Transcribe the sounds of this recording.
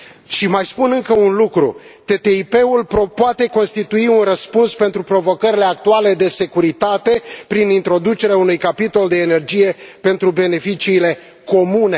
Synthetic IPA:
ʃimajspunɨŋkəunlukɾṵt̪e̞t̪e̞ipe̞ulpopoat̪e̞ko̞nst̪it̪uiunrəspunspe̞nt̪ɾupɾo̞vo̞kəɾile̞ak̚t̪uale̞d̪e̞se̞kuɾit̪at̪e̞pɾinint̪ɾo̞d̪ut͡ʃe̞ɾeaunujkapit̪o̞ld̪e̞ːne̞rd͡ʒije̞pe̞nt̪ɾube̞ne̞fit͡ʃiːle̞ | ko̞mune̞

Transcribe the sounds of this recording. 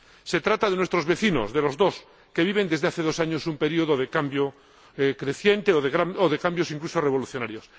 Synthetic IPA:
se̞t̪ɾat̪aðe̞nwe̞st̪ɾo̞zβe̞θino̞̰zðe̞lo̞zðo̞s | ke̞βiβ̞e̞nd̪e̞zðe̞aθe̞ðo̞saɲo̞sumpe̞ɾio̞ð̞oðe̞kambjo | kɾe̞θje̞nt̪eoðeɣaoðekambjo̞siŋkluso̞re̞β̞o̞luθjo̞naɾjo̞s

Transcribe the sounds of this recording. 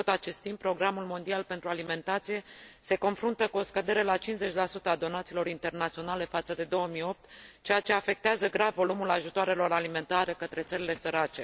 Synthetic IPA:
ot̪at͡ʃe̞st̪impːɾo̞ɡɾamulmo̞nd̪ialpe̞nt̪ɾualime̞nt̪at̪sije̞se̞ko̞nfɾunt̪əkuo̞skəd̪e̞ɾe̞lat͡ʃinze̞t͡ʃʲlasut̪əad̪o̞nat̪silo̞ɾint̪e̞rnat̪sio̞nale̞fat̪səd̪e̞d̪o̞əmijo̞p̚t̪t͡ʃe̞jat͡ʃe̞afe̞k̚t̪eazəɡɾavːo̞lumulaʒut̪oaɾelo̞ɾalime̞nt̪aɾe̞kət̪ɾe̞t̪səɾile̞səɾat͡ʃe̞

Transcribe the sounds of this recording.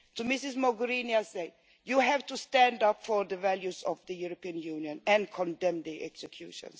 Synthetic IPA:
tumɪsɪzmɔɡəɾiniasɛd̚ | juɦævtustæ̃ndapfɔɾðəvæljuzɔvd̪əjuɾɔpiə̃njunjɔ̃nɛ̃nkʰɔ̃ndɛ̃md̪iʔɛksɛkʰjṵʃɔ̰̃ns

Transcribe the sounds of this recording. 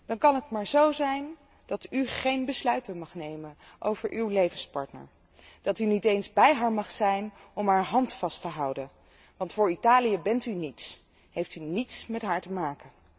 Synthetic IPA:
d̥ɑnkɑnɦətmaːɹzowzɛjn | d̥ɑtyχejnbəslœɥtəmɑχnejmənʔo̰wvəɹʔywlejvənspɑ̰ɹtnə̰ɹ | d̥ɑtynitejnzbɛjɦaːɹmɑχsɛjnɔmɦaːɹɦɑntfɑstəɦɑwdən | ʋɑntfʊːɹitaːlijəbɛntynits | ɦejftynitsmɛtɦaːɹtəmaːkən

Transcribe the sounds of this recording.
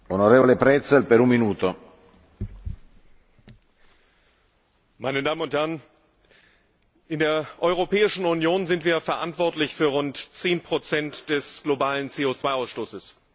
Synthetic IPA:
onoɾeːvolepɾɛt̪selpeɾumminuːt̪o | maɪnədaːmənʊnthɛɐn | ʔɪndeːɐʔɔʏʁ̞opɛːɪʃn̩unjoːnzɪntv̥iːɐfɛɐʔa̰ntv̥ɔɐtlɪçfyːɐʁʊntt͡seːnpʁ̥ot͡sɛntd̥ɛsɡ̥lobaːlənt͡seːot͡sv̥aɪaʊsʃtoːsəs

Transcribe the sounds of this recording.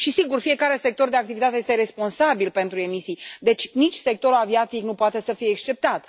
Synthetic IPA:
ʃisiɡurfije̞kaɾe̞se̞k̚t̪o̞rd̪e̞ak̚t̪ivit̪at̪ejest̪eɾe̞spo̞nsabilpe̞nt̪ɾue̞misijd̪e̞t͡ʃʲnit͡ʃʲse̞k̚t̪o̞ɾulaviat̪iknupoat̪e̞səfijeːkst͡ʃe̞p̚t̪at̪

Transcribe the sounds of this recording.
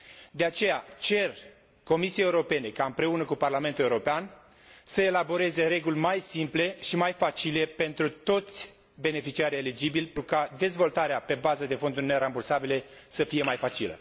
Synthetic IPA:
d̪e̞at͡ʃe̞jat͡ʃe̞r | ko̞misieeuɾo̞pe̞ne̞kaɨmpɾe̞unəkuparlament̪uleuɾo̞pean | səe̞labo̞ɾe̞ze̞ɾe̞ɡulʲmajsimple̞ʃimajfat͡ʃile̞pe̞nt̪ɾut̪o̞t̪sʲ | be̞ne̞fit͡ʃiaɾe̞lid͡ʒibilʲpukad̪e̞zvo̞lt̪aɾeape̞bazəd̪e̞fo̞nd̪urʲne̞ɾambursabile̞səfije̞majfat͡ʃilə̰

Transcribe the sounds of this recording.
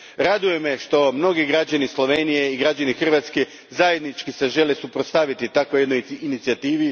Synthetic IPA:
ɾad̪uje̞meʃt̪o̞mno̞ɡiɡɾad͡ʑanislˠo̞ʋenije̞iɡɾad͡ʑanixr̩ʋat̪ske | zaje̞d̪nit͡ʃkiseʒe̞le̞supɾost̪aʋit̪it̪akojed̪nojinit̪siat̪iːʋi

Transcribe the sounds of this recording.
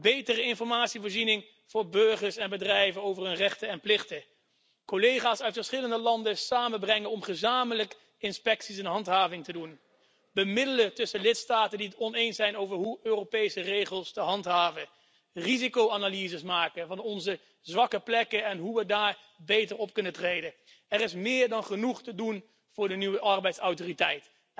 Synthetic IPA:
bejtərəɪnfɔɹmaːtsivʊːɹzinɪŋ | v̥ʊːɹbɵɹχəɹsɛnbədrɛjvənowvəɹɦɵnrɛχtəɛnplɪχtə | kolejχaːsœɥtfəɹsχɪləndəlɑndəsaːmənbrɛŋənɔmχəzaːmələk | ɪnspɛksis̬ɛnɦɑntɦaːvɪŋtədun | bəmɪdələtɵsəlɪtstaːtəndiətɔnejnsɛjnowvəɹɦuøːropejsərejχəlˠstəɦɑntɦaːvən | rizikowaːnalizəsmaːkənvɑnɔnzə | zʋɑkəplɛkəɛnɦuʋədaːɹ | bejtəɹɔp̚kɵnətrejdən | ɛrɪsmɪːɹdɑnχənuχtədun | v̥ʊːɹdənyʋəʔɑɹbɛjtsɔwtoritɛjt

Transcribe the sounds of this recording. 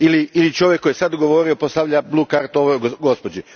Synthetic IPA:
iliilit͡ʃoʋjekːojesad̪oɡoʋo̞ːɾiopost̪aʋʎabluːkaɾt̪oʋoɡɡo̞spod͡ʒi

